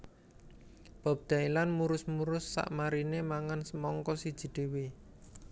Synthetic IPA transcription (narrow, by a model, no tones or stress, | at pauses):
b̥a̤p̚d̪̥a̤ilanmuɾʊsmuɾʊsːa̰ʔmaɾinemaŋansəmɔŋkɔsid̥ʒ̥i̤d̪̥e̤we